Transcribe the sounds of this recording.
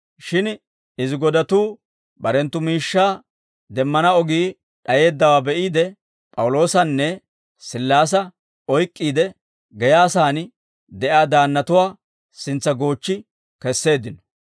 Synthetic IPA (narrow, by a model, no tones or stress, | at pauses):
ʃɪn | ɪzɪɡɔd̪ɐt̪uː | bɐɾɛnt̪ːʊmiːʃːaː | d̪ɛmːɐnɐɔɡiː | ɗɐje̞ːd̪ːɐwaːbɛʔiːd̪ɛ | pʼɐwʊlo̞ːsɐnːɛ | sɪlːaːs̬ɐ | ɔjkʼːiːd̪ɛ | ɡɛjaːsaːn | d̪ɛʔaːd̪aːnːɐt̪ʊwaː | sɪnt͡sːɐɡo̞ːt͡ʃːɪ | kɛsːe̞ːd̪ɪnɔ̥